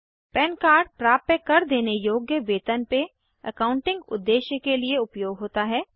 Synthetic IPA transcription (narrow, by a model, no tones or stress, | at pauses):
pɛnkaːɾɖ̚pɾaːp̚t̪əkɐɾd̪eːnejoːɡjəʋeːt̪ənpe | əkãːʊ̃ɳʈɪ̃ŋɡʊ̰d̪ːeːʃjəkelieʊpjoːɡɦoːt̪aɦɛː